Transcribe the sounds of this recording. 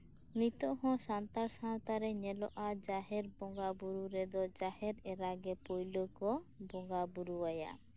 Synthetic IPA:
mɾit̪ɔʔɦɔ̃sant̪aɾsant̪aɾɛɲɛlɔʔad͡ʒaɦɛɾbɔŋɡabuɾuɾɛd̪ɔd͡ʒahɛɾɛɾaɡɛpojlokɔbɔŋɡabuɾuwaja̰

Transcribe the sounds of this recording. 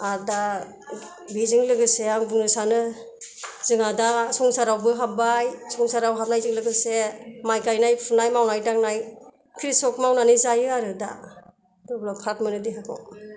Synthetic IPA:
aɾda | bizɯŋlɯɡɯseaŋbɯŋnɯsanɯ | zɯŋadasɔŋsaɾawbɯɦabajsɔŋsaɾawɦap̚najzɯŋlɯɡɯsemajkajnajpʰunajmawnajdaŋnaj | kʰɾisɔkmawnanizajɯaɾɯda̰ | dɔblɔpʰatmɯnɯdiɦakʰɔ̰

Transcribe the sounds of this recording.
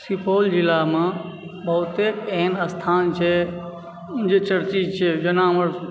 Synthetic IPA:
sipʰoːld͡ʒilamãbɐɦʊt̪eːkeːnəst̪ʰaːnt͡ʃʰɛ | d͡ʒet͡ʃəɾt͡ʃid͡ʒt͡ʃʰed͡ʒɐnaməɾ

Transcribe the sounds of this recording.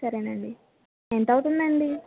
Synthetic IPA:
sɐɾeːnɐɳɖi | ent̪ɐwuʈund̪ɐɳɖi

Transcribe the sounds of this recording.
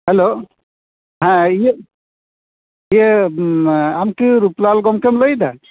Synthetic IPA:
hɛlo | ɦãij | ijə | amkɯɾuplalɡɔmkɛmləjd̪a

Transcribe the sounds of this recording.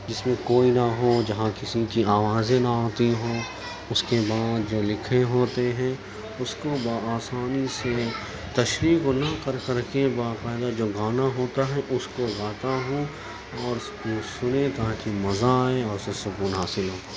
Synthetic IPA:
d͡ʒɪsmẽkoːinaɦoːd͡ʒɐɦãkɪsikiaːʋaːzẽnaaːt̪iɦoː | ʊskebaːd̪̚d͡ʒoːlɪkʰeɦoːt̪eɦɛ̃ | ʊskobaaːsaːnise | t̪ɐʃɾiːknɐkɐɾkɐɾkebaːqaːɪd̪ad͡ʒoːɡaːnaɦoːt̪aɦɛʔʊskoɡaːt̪aɦõ | ɔːɾ | osʊnẽt̪ãːkimɐzaɛɔːɾʊsesʊkuːnɦaːsɪlɦoː

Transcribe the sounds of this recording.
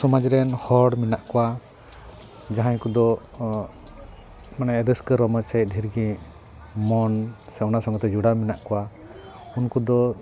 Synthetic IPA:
sɔmad͡ʒɾɛnhɔɽminaʔkɔwa | d͡ʒaɦaɲkud̪ɔ | manɛɾəskəɾɔməsɛt̪̚ˀdʱiɾɡi | mɔnsɛwnasɔŋɡɔt̪ɛd͡ʒuɽaminaʔkɔwa | unkud̪ɔ

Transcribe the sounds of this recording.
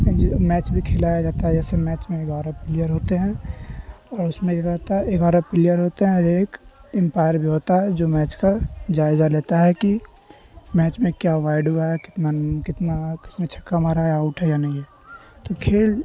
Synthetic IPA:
mɛːt͡ʃbʱikʰeːlaːjad͡ʒaːt̪aɦɛd͡ʒɛːsemɛːt͡ʃmẽeːɡaːɾapɪlijəɾɦoːt̪eɦɛ̃ | ɔːɾʊsmẽjɐɡat̪aeːɡaːɾapɪlijəɾɦoːt̪eɦɛ̃ɔɾeːkɪ̃mpaːɪəɾbʱiɦoːt̪aɦɛd͡ʒoːmɛːt͡ʃkad͡ʒaːɪzaleːt̪aɦɛki | mɛːt͡ʃmẽkjaʋaːɪɖɦuaɦɛkɪt̪nakɪt̪nakɪ̥snat͡ʃʰɐ̥kːamaːɾaɦɛaʊʈɦɛjanɐɦĩɦɛː | t̪okʰeːl

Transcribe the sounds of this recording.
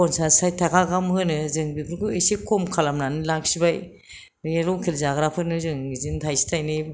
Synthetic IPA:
ɔnsasajtʰakʰaɡamhɯnɯzɯŋbikʰɾukɯesekʰɔmkʰalamnanɯlaksibaj | eɾɔwkʰilzaɡɾapʰɯnɯzɯŋizintʰajsi̥tʰajnɯ

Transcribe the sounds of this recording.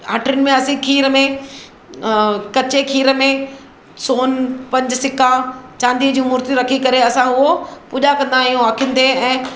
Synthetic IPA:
aːʈɾjʊnɪ̆mẽɐsĩkʰiːɾəmẽ | kɐt͡ɕekʰiːɾəmẽ | soːnpɐ̃ɲd͡ʑsɪkat͡ɕãːnd̪id͡ʑĩːmʊːɾt̪iɾɐkʰikɐɾeɐsãʊɦopʊːʄakɐ̃nd̪aːijũaːkʰijə̃n̆d̪eɛ̃ː

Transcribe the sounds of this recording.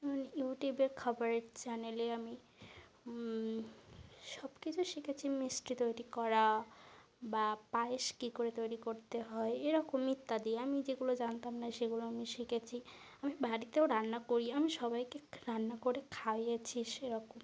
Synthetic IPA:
ɛmonjuʈjubeɾkʰaboɾeʈt͡ɕaneleami | ʃɔbkit͡ɕʰuʃikʰet͡ɕʰimisʈit̪ojɾikɔɾa | bapaeʃkikoɾet̪ojɾikoɾt̪eɦɔeeɾɔkomːit̪ːad̪ieamid͡ʑeɡulod͡ʑant̪amnaʃeɡuloamiʃikʰet͡ɕʰi | amibʱaɾit̪eoɾanːakoɾiamiʃɔbajkeɾanːakoɾekʰawet͡ɕʰiʃeɾɔkom

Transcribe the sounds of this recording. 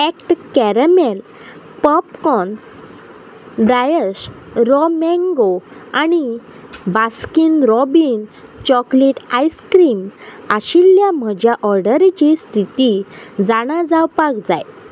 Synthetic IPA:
ekʈkɛɾəmel | pəpkɔn | d̪ajəɕɾɔmɛ̃ŋɡoani | baskinɾɔbint͡ɕɔkleʈajskɾimaɕiljam̤əd͡ʑʱjaʔɔɾɖəɾt͡ɕist̪ʰit̪id͡zaɽ̃ad͡zawpakd͡za̰j

